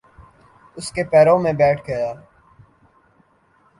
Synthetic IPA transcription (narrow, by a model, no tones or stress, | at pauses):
ʊskepɛːɾõmẽbɛːʈʰɡɐjaː